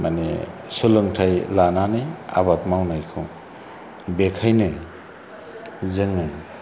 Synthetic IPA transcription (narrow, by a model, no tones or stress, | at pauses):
manḛsulɯŋtʰajlananɯa̰βat̚mawnajkʰɯw | bekʰajnɯ | zɯŋːɯ